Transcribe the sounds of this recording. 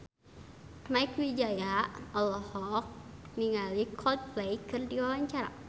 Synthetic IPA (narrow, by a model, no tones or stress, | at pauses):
maikwid͡ʒajaɔlɔhɔk̚ | niŋalikʰɔld̪̚plɛjkɨrdiwawaɲt͡ʃaɾa̰